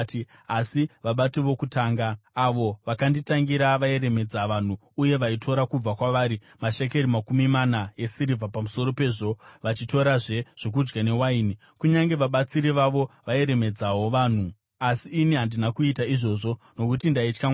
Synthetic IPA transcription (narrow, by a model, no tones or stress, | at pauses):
asiʋaɓatiʋo̞kutaːŋɡaːʋo̞ʋakanditaŋɡiɾaʋae̞ɾe̞me̞d͡zaʋan̤u | uje̞ʋaitʰo̞ɾakub͡vakwaʋaːɾi | maʃek̬e̞ɾimakumimanaje̞siɾivapamuso̞ɾo̞pe̞ːʐo̞ʋat͡ʃito̞ɾaʐe̞ʐ̥o̞k̬ud͡ʒɡane̞waini | kuɲaŋɡe̞ʋaɓat͡siɾiʋaʋo̞ʋae̞ɾe̞me̞d͡zawo̞ʋan̤u | asiːniɦandinakuitaiʐo̞ʐo̞ | no̞kutindait͡ʃka